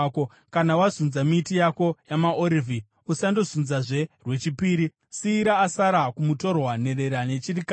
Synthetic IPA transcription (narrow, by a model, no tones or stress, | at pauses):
ko | kanawazunzamitijako̞jamaʔoɾivʱi | usando̞zunzaʐe̞rwe̞t͡ʃipiːɾi | siːɾaːsaɾakumuto̞rwane̞ɾe̞ɾane̞t͡ʃirika